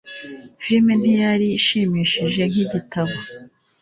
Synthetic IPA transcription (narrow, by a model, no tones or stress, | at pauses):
filmen̥ijaɾiːʃiːmiːʃiʒe̞ŋ̥iɟitʰaβo